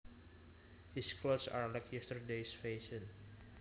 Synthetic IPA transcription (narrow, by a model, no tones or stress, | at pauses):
hiskʰlosa̰ɹlajkjɛstəɹdesfeʃə̃n